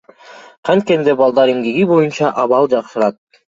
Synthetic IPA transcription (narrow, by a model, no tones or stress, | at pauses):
qʰɑnt̪̚kend̪ebɑlˠd̪ɑɾiŋɡiɡibo̞junt͡ʃɑʔɑβɑlˠd͡ʒɑqʃɯɾɑt̪̚